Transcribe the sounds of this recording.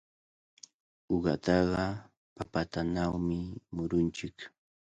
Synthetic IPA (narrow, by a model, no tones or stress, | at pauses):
ʊɢɑ̰t̪ɑɢɑ | papat̪anawmɪmʊɾʊnt͡ʃɪk